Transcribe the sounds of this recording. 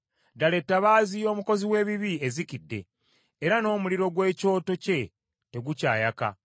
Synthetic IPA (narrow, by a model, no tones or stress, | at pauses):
daletːaβaːzijo̞ːmuko̞ziwe̞ːβiβiezikidːe̞̰ː | ɾano̞ːmuliɾo̞ɡwe̞ːco̞ːto̞ce̞ | te̞ɡuca̰ːjaka̰